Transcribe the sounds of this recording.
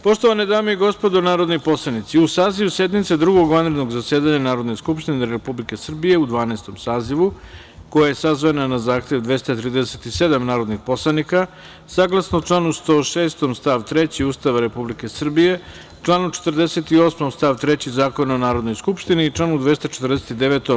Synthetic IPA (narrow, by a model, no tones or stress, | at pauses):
po̞ʃt̪oʋaned̪aːmeiɡo̞spo̞d̪onaːɾo̞d̪nojpo̞slˠanit̪siusaːziʋuse̞d̪nit̪sed̪ɾuɡo̞ɡʋanɾed̪no̞ɡzasjeːd̪aɲanaːɾo̞d̪no̞skupʃt̪ineɾepublike̞sr̩bije̞ud̪ʋaːnast̪o̞msaːziʋu | ko̞jaje̞sazʋananazaːxt̪e̞ʋd̪ʋe̞st̪at̪ɾiːd̪eset̪ised̪amnaːɾo̞d̪nixpo̞slˠanika | saːɡlˠasnot͡ʂlˠanust̪o̞ːʃeːst̪omst̪aʋt̪ɾe̞t͡ɕiuːst̪aʋaɾe̞publike̞sr̩bije̞ | t͡ʃlanut͡ʃe̥t̪r̩d̪eset̪io̞ːsmomst̪aʋt̪ɾet͡ɕizaːkonaonaːɾo̞d̪no̞jskupʃt̪iniːt͡ʂlˠanud̪ʋe̞st̪at͡ʃet̪rd̪eset̪id̪eʋet̪o